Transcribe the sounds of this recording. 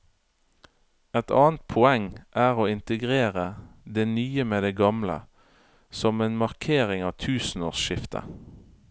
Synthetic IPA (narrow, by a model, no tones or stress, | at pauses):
ɛt̪ɑ̰ːnt̪̚pʰʊɛŋʔæːʁoːɪnt̪əɡʁeːʁəd̪eːnyːəmeːd̪eːɡɑmlə̰ | sɔmeːnmɑʁkʰeːʁɪŋɑːʋt̪ʰʉːsn̩oːʁsʃɪft̪ʰə̰